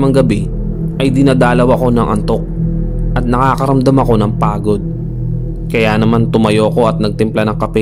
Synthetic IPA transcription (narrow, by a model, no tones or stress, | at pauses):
mɐŋɡɐbɛ | ʔɐjd̪ɪnad̪aːlɐwɐko̞nɐŋʔɐ̰nt̪o̞k̚ʔɐt̪̚nɐkaːkɐɾɐmd̪amɐko̞nɐŋpaːɡo̞d̪̚ | kɐjaːnɐmant̪ʊmɐjoko̞ʔɐt̪̚nɐɡ̚t̪ɪmplanɐŋkɐpɛ